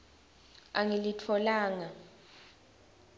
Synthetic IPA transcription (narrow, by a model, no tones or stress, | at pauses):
aŋilitʰɔlaːŋa